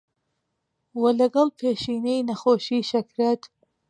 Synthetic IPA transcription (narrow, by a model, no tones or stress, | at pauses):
wɐlɐɡɐlˠpʰeːʃiːnejnɐxoːʃiːʃɐkɾɛt̪